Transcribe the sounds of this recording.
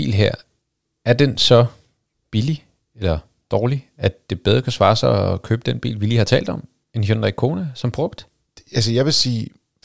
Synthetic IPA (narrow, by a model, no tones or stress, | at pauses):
ḭːlɦeɐ̰ | æɐd̥ensɒ̽ | b̥ili | elɐ | d̥ɒːliæ̥d̥e̝b̥eð̞ˠʁɐkʰæsʋɑ̈ːsaɪɒkʰøːb̥əd̥enb̥ḭːlʋiliːhɑ̈t͡sʰɛ̰ːld̥ɒ̽m | e̝njonʁaɡ̥̚kʰo̝ːnæsɒ̽mb̥ʁɔɡ̥d̥ | æls̬əjɑ̈ɪʋe̝siː